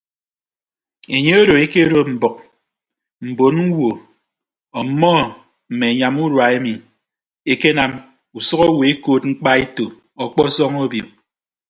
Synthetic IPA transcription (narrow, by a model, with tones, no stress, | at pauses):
e˨ɲe˦o˦ɾo˨e˦ke˦ɾo˦m̩˨bɔ˨k̚ | m̩˨bo˨˦nŋ̩˦wo˨ | ɔ˨˦mɔ˦ | m̩˨me˨ɲa˨mu˦ɾwa˨e˦mi˨ | e˦ke˦na˨m | u˨sɔ˦ɣɔ˦we˨e˦koː˦˨t̚ŋ͡m̩˦k͡pa˦e˦to˨ | ɔ˨k͡pɔ˦sɔ˦ŋo˦bjo˨